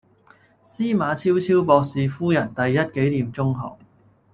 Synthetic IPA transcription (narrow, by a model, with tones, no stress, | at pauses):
siː˥maː˨˧t͡sʰiː˥wt͡sʰiː˥wpɔː˧k̚siː˨fuː˥jɐ˨˩nt̪ɐ˨jːɐ˥t̚ke˨˥jliː˨mt͡sʊ˥ŋɦɔ̰ː˨˩ŋ